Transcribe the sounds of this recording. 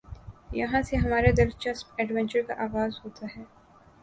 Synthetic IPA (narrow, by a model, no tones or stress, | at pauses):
jɐɦãseɦɐmaːɾed̪ɪɾt͡ʃɐspɛːɖʋɛ̃ɲt͡ʃəɾka̰ʔaːɣaːzɦoːt̪ʰaɦɛː